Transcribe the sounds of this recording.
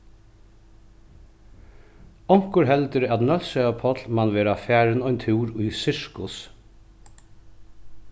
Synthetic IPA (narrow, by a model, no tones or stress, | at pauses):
ɔŋkʊɾɦɛld̪əɾɑt̪nœlsɛpʰɔt̪lmɑnʋeːɾɑfæːɹənɔʏnt̪ʰʉːɾʉːsɪʂkʊs